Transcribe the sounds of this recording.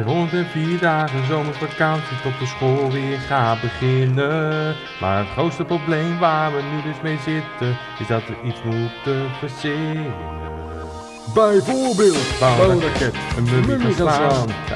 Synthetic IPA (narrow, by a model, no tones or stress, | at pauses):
rɔntɛnviːɹdaːχənzowməɹfakɑnsisɔp̚dəsχoːlˠʋɪːɹχaːbəχɪnə | ma̰ːɹətχrowstəproblejmʋaːɹʋənydʏsmejzɪtən | ɪsdɔtəitsmutəfəsɪən | bɛjvoːɹbɪːlˠtbaawrakɛtənməəan